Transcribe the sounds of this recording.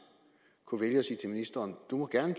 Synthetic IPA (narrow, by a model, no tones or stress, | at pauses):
kʰuʋeljəɒsiːt͡sʰe̝minisd̥ɐːnd̥umɒ̽ɡ̥æɐnəɡ̥